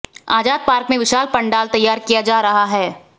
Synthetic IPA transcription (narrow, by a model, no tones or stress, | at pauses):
a̰ːd͡ʒaːd̪̚paːɾkmẽʋɪʃaːlpɐ̃ɳɖaːlt̪ɐjːaːɾkijad͡ʒaːɾɐɦaɦɛː